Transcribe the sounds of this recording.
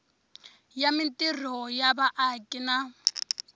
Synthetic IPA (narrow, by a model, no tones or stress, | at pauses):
jamintʼir̤ɔjabaʔakʼina